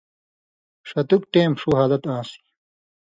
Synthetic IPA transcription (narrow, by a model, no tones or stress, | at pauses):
ʂɐt̪uk̚ʈeːmʂuɦaːlɐt̪ãːsi̥